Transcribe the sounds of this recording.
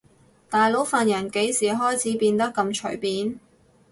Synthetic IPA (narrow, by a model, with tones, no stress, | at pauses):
t̪aː˨jlo˨˥wfaː˨njɐ˨˩nke˨˥jsiː˨˩ɦɔː˥jt͡sʰiː˨˥piː˧nt̪ɐ˥kːɐ˧mt͡ʃʰɵ̰˨˩ɥpiː˨˥n